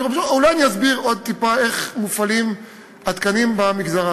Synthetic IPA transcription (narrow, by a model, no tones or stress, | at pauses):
obʃulajaniazbiʁo̞d̪̚t̪ipae̞χmufalim | at̪kanimbamiɡzaʁa